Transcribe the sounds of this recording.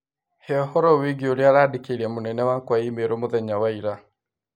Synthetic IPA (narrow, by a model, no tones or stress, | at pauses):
heɔhɔɾɔwiɡioɾjaɾaːdekeɾiamonɛnɛwakwaimeɾomoðɛɲawaiɾa